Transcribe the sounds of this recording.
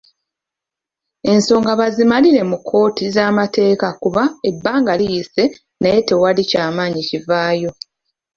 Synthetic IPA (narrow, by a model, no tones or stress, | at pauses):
e̞nso̞ːŋɡaβazimaliɾe̞mukʰːo̞ːtʰizaːmate̞ːkakuβae̞bːaːŋɡalijise̞ | naje̞te̞walicaːmaːɲicivaːjo̞